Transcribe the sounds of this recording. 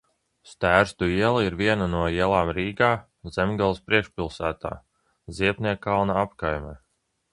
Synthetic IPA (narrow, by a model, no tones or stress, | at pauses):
st̪æːɾst̪uiɛlˠiiɾviɛnanuɔiɛlˠaːmɾiːɡaː | z̥emɡalˠspɾiɛkʃpʲilˠsæːt̪a̰ː | ziɛpnʲiɛkːalˠnaapkajmɛ